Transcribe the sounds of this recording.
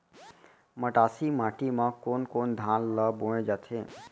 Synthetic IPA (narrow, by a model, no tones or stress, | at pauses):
məʈaːsimãʈimãkonkond̪ʱãnləboẽd͡ʒat̪ʰe